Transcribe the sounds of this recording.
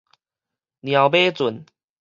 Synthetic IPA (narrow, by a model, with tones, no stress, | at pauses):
nja˨˩ʊpe˦t͡sʊ˨˩˦n